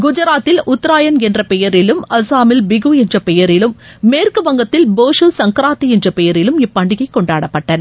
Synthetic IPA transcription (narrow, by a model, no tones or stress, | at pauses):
ɡʊd͡ʒɐɾaːt̪ːɪlʔʊt̪ːɾaːjɐnɛndrɐpɛjɐɾɪlɯmɐsaːmɪlbɪɣuɛndrɐpɛjɐɾɪlɯmːeːrkɯʋɐŋɡɐt̪ːɪlboːʂusɐŋkɾaːt̪ːiɛndrɐpɛjɐɾɪlɯmɪpːɐɳɖɪɣɐɪkːɔɳɖaːɽɐpːɐʈːɐnɐ